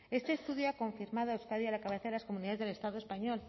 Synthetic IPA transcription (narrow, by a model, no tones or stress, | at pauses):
e̞st̪eːst̪uðjoako̞ɱfiɾmaðoawskaðjalakaβeθaðelaskomuniðaðezðelest̪aðoe̞spaɲol